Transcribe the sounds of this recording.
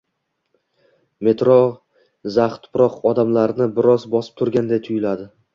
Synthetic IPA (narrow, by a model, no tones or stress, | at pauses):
me̞t̪ɾo | zaχt̪ʰʊ̥pɾɒqɒd̪amlaɾnɪbɪɾɒzbɒsɪ̥p̚t̪ʰʊɾɡʲand̪ejt̪ʰʊjɪlad̪ɪ